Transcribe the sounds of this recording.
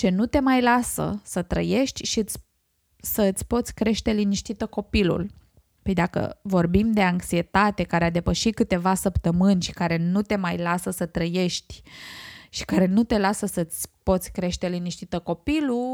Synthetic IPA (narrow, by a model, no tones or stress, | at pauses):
t͡ʃe̞nut̪e̞majlasə̰sət̪ɾə̰je̞ʃt̪ʲʃiɨt̪sʲ | səɨt̪sʲpo̞t̪sʲkɾe̞ʃt̪e̞liniʃt̪it̪əko̞pilṵl | ped̪akə̰vo̞rbimd̪e̞aŋksie̞t̪at̪e̞kaɾead̪e̞pəʃit̪̚kɨt̪e̞vasəpt̪əmɨnʲʃi̥kaɾe̞nut̪e̞majlasəsət̪ɾəje̞ʃt̪ʲ | ʃi̥kaɾe̞nut̪e̞lasəsəɨt̪sʲpo̞t̪sʲkɾe̞ʃt̪e̞liniʃt̪it̪əko̞pilu